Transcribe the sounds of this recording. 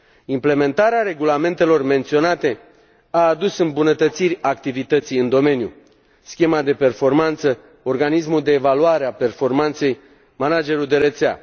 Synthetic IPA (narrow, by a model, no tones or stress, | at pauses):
imple̞me̞nt̪aɾeaɾe̞ɡulame̞nt̪e̞lo̞rme̞nt̪sio̞nat̪e̞ | aːd̪usɨmbunət̪ət̪sirʲakt̪ivit̪ət̪sijɨnd̪o̞me̞njṵ | skʲe̞mad̪e̞pe̞rfo̞rmant̪sə | o̞rɡanismuld̪e̞ːvaluaɾeape̞rfo̞rmant̪se̞j | manad͡ʒe̞ɾuld̪e̞ɾet̪sea̰